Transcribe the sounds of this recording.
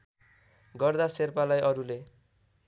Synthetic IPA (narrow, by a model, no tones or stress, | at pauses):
ɡʌrd̪aserpalajʔʌɾule